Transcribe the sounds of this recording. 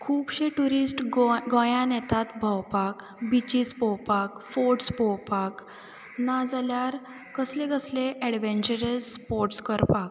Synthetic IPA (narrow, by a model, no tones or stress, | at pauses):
kʰuːbɕeʈuɾisʈɡɔ̃jãnɛt̪at̪bʱawpak | bit͡ɕispɔwpakfoɾʈspɔwpak | nad͡zaljaɾ | kəslẽɡəsleʔɛɽʋẽnt͡ɕəɾəlspoɾʈskəɾpak